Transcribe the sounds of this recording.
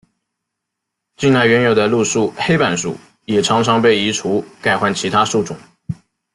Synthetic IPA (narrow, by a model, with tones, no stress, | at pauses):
t͡ɕi˥˧na˥˩ɪɥɛ˧˥njo˨˩d̪ə˦lu˥˧ʂu˥˩xe˥ɪpa˨˩nʂṵ˨˩ | jɛ˨˩ʈ͡ʂʰɑ˧˥ŋʈ͡ʂʰɑ˧˥ŋpe˥˩ɪi˧˥ʈ͡ʂʰu˧˥ka˥˩ɪxwa˥˩nt͡ɕʰi˧˥t̪ʰa˥su˥˩ʈ͡ʂʊ̰˨˩˦ŋ